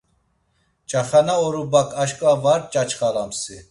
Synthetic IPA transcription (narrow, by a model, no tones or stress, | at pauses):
t͡ʃʼaχanaɔɾubakʰʼaʃkʼvavaɾ̚t͡ʃʼat͡ʃχaɾamsi